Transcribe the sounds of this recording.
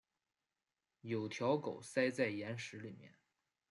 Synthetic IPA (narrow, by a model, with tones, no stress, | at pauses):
jo˨˩ʊt̪ʰjɑ˧˥ʊko˨˩ʊsa˥ɪt͡sa˥˩ɪjɛ˧˥nʂɻ̩˧˥li˨˩mjɛ̰˥˩n